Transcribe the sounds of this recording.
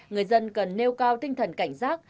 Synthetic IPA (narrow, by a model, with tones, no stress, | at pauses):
ŋɨ˨˩əjzə˧nkə˨˩nːe˧wkaː˧wt̪ï˧ŋt̪ʰə˨˩nka˧˩jŋ̟zaː˦˥k̚